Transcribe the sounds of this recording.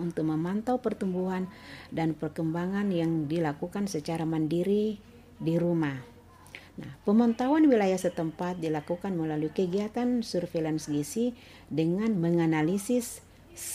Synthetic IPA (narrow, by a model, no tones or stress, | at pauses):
unt̪ʊk̚məmant̪awpərt̪umbuɦandanpərkəmbaŋanjaŋdilakukansət͡ʃaɾamandiɾi | diɾumah | na̰hpəmant̪awanwilajahsət̪əmpat̪̚dilakukanməlaluikəɡiat̪ansurfelansɡisi | dəŋanməŋanalisɪs